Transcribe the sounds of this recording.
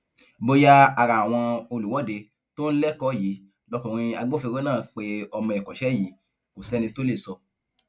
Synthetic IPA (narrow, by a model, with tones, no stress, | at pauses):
bo˧ja˦a˨ɾa˨a˨w̃ɔ̃˧o˧lu˨wɔ˨˦de˧ | to˦n̩˦lɛ˦kɔ˦˨ji˨˦ | lɔ˧kɔ̃˨ɾ̃ĩ˧a˧ɡ͡bo˦fi˧we˦nãː˦˨k͡pe˧ɔ˧mɔ̃˧ɛ˨kɔ˨ʃɛ˨˦ji˨˦ | ko˨sɛ˦nĩ˧to˦le˦˨sɔ˧